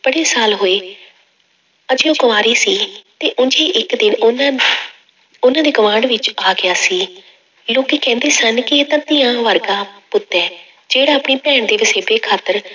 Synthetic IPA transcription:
b̥əɽeːsaːlɦoːeː | əd͡ʒeoɡəʋaːɾiːsiːt̪eːʔʊd͡ʒeːʔɪkd̪ɪnn | ʊnãːd̪eːɡəʋãːɖʋɪt͡ʃaːɡɪjaːsiː | loːkiːkɛ̃ːnd̪eːsənkɪeːt̪ãt̪ɪjãːʋəɾɡaːpʊt̪ːɛː | d͡ʒeːɽaːəpɳiːpɛːɳd̪eːʋɪseːpeːkʰaːt̪əɾ

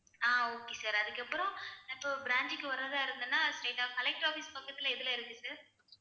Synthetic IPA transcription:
aːoːkːeːsaːɾɐðɯkːɐpːɯɾɔ̃ɪpːoːbɪɾaːɲd͡ʒɯkːɯʋɐɾːɐðaːɪɾɯnd̪ɯnːaːsʈeːʈaːkɐlɛk̚ʈɾaːfispaːkːɐt̪ːɪlɐɪðɯlɐ̃ɪɾɯnːɯsaːɾ

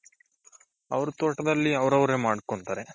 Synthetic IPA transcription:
ɐ̰ʋɐɾut̪oːʈɐd̪ɐlːiɐʋɐɾɐʋɐɾe̞ːmaːɽkoɳt̪aːɾe

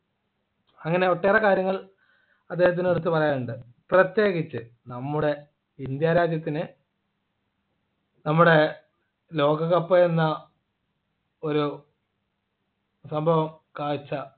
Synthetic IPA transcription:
ɐŋːɐne̞oʈːeːrɐkaːɾjɐŋːɐɭ | ɐd̪ːehɐt̪̬ːineɽut̪ːupɐrɐjaːnuɳɖɨ | prɐt̪je̞ːɣit͡ɕːɨ | nɐmːuɽe̞ | ind̪jaːɾaːd͡ʑjɐt̪̬ːinɨ | nɐmːuɽe̞ | lo̞ːɡɐɣɐpːoenːɐ | o̞ɾu | sɐmbʱɐʋɐm | kaːt͡ɕːɐ

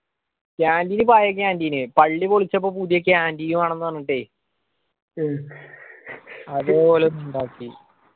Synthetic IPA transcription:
kaːndiːnɨpaːjɐk̬ʲːaːndiːnɨpɐɭːipoɭit͡ɕːɐp̬ːoːpud̪jɐkʲːeaːndiːjumaːɳe̞nːɨʋɐnːiʈːeː | ɐðepoːleuɳɖaːkːi

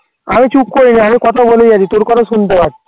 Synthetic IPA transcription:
amit͡ɕukːoinaamikɔt̪ʰabolejad͡ʑit̪oɾkɔɾasunt̪əbaʈ̪̚

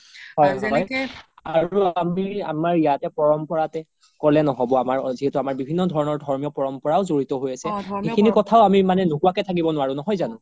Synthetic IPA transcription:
ɦɔjɔjaɹuamia̰maɹijatɛpɔɹɔmpɔɹatɛ | kɔlɛnɔɦɔbɔamaɹziɦɛtuamaɹbibʱinːɔdʱɔɹɔnɔɹdʱɔɹmijɔpɔɹɔmpɔɹaʊzoɹitɔɦojasɛxekʰinikɔtʰaʊamimanɛnukuwakɛtʰak̬ibɔnʊwaɹʊ̃nɔɦɔjzanʊ̃

